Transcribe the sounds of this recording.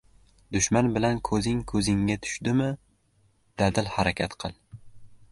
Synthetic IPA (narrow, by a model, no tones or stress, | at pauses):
d̪ʊʃmanbɪlankʰɵzɪŋkʰɵzɪŋːat̪ʰʊ̥ʃd̪ɪmɪ | d̪̥ad̪ɪlhaɾakʲʰat̪qʰɨlˠ